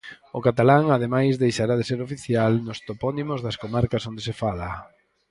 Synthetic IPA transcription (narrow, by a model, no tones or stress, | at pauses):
ʊkat̪alaŋað̞emajzðejʃaɾað̞eseɾofiθjalnʊst̪opɔnimozðɐskomaɾkasond̪esefala